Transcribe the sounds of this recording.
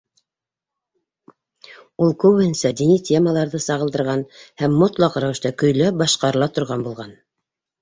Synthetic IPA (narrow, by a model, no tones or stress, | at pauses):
ulˠkʉwhɘnsæd̪initʲeməlˠɑɾðɤsɑʁɤ̆lˠd̪ɤ̆ɾʁɑnhæmːot̪lˠɑqɾæwɘ̆ʃt̪ækɵ̆jlæp̚bɑʃqɑɾɤ̆lˠɑt̪ŏɾʁɑnbulˠʁɑn